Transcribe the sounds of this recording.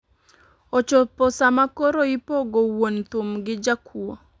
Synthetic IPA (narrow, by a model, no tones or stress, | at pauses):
ot͡ʃopɔsamakoɾoipoɡowont̪ʊmɡɪd͡ʒakʰuo